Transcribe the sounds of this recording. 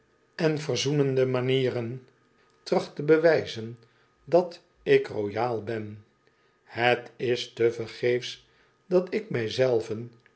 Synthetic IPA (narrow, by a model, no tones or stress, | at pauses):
ɛnvərzunəndəmaniːrən | trɑχtəbəʋɛjzən | dɑt | ɪkrojaːlˠbɛn | hətɪstəvəɹχejfs | dɑtɪk̚mɛjzɛlˠvən